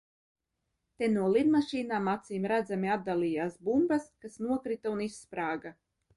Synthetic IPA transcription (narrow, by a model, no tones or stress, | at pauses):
t̪enuɔlˠid̪maʃiːnaːmat̪siːmɾæd̪zamiad̪̚d̪alˠiːjaːsbumbaskasnuɔkɾit̪aunisːpɾaːɡa